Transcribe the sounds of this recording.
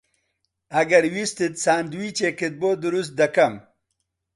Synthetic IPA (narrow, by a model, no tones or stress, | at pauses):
ɐɡɐɾwist̪it̪saːnd̪wit͡ʃekɪt̪̚boːd̪uɾust̪̚d̪ɐkam